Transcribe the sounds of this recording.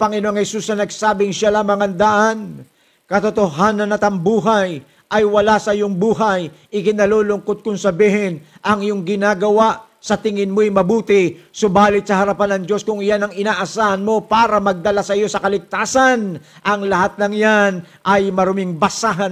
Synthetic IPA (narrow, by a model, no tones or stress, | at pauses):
pɐŋɪnooŋhɛsusnɐnɐɡ̚saːbɪŋʃalɐŋmɐŋɐnd̪aʔan | kɐt̪ot̪oɦaːnɐnɐt̪ɐmbuːɦaj | ʔɐjwɐlasɐɪjoŋbuːɦɐj | ʔɪkɪnɐloːlʊŋkot̪̚kʊŋsɐbiːhɪnʔɐŋɪjoŋɡɪnaːɡɐwaʔ | sɐt̪ɪŋɪnmojmɐbuːt̪ɪsʊbaːlɪt̪sɐɦɐɾɐpanɐŋd͡ʒo̞skʊŋɪjanɐŋɪnaːʔɐsaːhɐnmo̞paːɾɐmɐɡ̚d̪ɐlasɐjo̞sɐkɐlɪk̚t̪aːsɐn | ʔɐŋlɐhat̪̚nɐŋjan | ʔɐjmɐɾʊmɪŋbɐsaɦɐn